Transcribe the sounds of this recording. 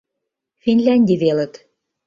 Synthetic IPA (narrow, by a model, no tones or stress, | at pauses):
finʲlʲænʲd̪ʲiβelə̆t̪